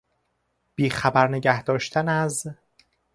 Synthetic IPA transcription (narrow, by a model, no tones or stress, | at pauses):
b̥iːxæbæɾneɟæhd̪ɒːʃt̪ʰænæz